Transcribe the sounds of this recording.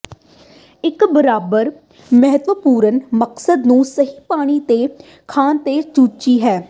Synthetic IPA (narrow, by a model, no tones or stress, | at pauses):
ɪkbəɾaːbəɾ | məɦət̪ʋəpuːɾənməksəd̪nũːsəɦiːpaːɽ̃iːt̪eː | kʰaːnt̪eːt͡ʃuːt͡ʃiːɦɛː